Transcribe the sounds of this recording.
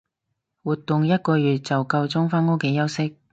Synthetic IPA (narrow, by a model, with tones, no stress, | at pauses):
wuː˨t̪ːʊ˨ŋjɐ˥t̚kɔː˧ɥyː˨t̚t͡sɐ˨wkɐ˧wt͡sʊ˥ŋfaː˥nŋo˥wke˨˥jɐ˥wsɪ˥k̚